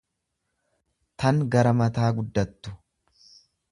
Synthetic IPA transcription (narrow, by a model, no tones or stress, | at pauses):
t̪ɐŋɡɐɾɐmɐt̪aːɡʊd̪ːɐt̪ːʊ̥